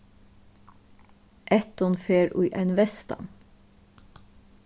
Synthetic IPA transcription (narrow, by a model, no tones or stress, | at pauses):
ʔɛt̪ɔnfeːɹʉʏʔæɪnʋɛst̪ɑ̰n